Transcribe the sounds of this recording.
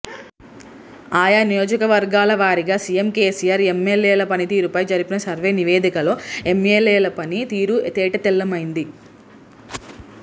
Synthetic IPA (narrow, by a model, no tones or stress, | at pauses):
aːjaːnijoːd͡ʒɐkɐʋɐɾɡaːlɐʋaːɾiɡaːsijemkeːsijaːɾemːelːeːlɐpɐnit̪iːɾupɐjd͡ʒɐɾipinɐsɐɾʋe̞ːniʋeːd̪ikɐlo̞ːemːeːleːlɐpɐnit̪iːɾut̪ɛːʈɐt̪ɛlːɐmɐjind̪i